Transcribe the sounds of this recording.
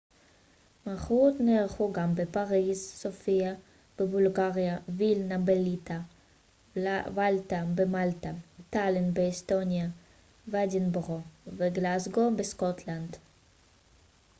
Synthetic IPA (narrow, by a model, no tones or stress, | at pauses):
maχut̪neχuɡambepaʁizsofia | b̥ebulɡaʁjavilnabelit̪a | valt̪abemalt̪at̪alenbeːst̪onja | vadinbʁoveɡlazɡobeskɔt̪ʰland̪